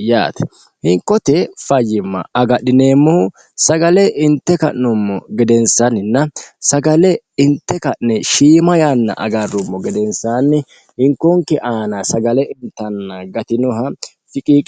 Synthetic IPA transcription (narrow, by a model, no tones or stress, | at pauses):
ja̰ːt̪ɛ̥ | hɪŋkːɔt̪ɛfɐjːɪmːɐ̰ɐɡɐɗɪneːmːɔhʊ | sɐɡɐlɛʔɪnt̪ːɛkɐʔnʊmːɔ̰ɡɛd̪ɛnsɐnɪnːɐsɐɡɐlɛɪnt̪ːɛkɐʔnɛʃiːmɐjaːnːɐ̰ʔɐ̰ɡɐrːʊmːɔɡɛd̪ɛnsaːnːɪ | hɪŋkːɔŋkːɛʔaːnasɐɡɐlɛʔɪnt̪ːɐnːɐɡɐt̪ɪnɔɦɐ | fɪkʼiːkʼ